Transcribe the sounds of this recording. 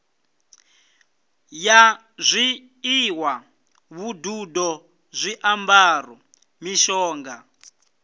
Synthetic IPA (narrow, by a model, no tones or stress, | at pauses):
ja | zʷi | iwa | βududɔ | zʷiʔambaːrɔ | miʃɔːŋɡa